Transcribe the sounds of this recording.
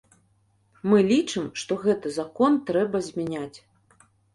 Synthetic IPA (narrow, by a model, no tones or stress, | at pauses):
mɨlʲit͡ʂɨmʂt̪ɔɣɛt̪ɨzakɔnt̪ɾɛbɐzʲmʲanʲat͡sʲ